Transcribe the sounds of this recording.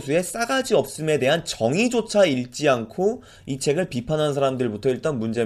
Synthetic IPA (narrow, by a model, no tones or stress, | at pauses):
sʰue̞s͈aɡad͡ʑiʌp̚s͈ɯme̞de̞ɦant͡ɕʌŋid͡ʑot͡ɕʰaiɭt͡ɕ͈iankʰo | it͡ɕʰe̞ɡɯɭpipʰanɦans̬ʰaɾamdɯɭbutʰʌiɭt͈ʌnmund͡ʑe̞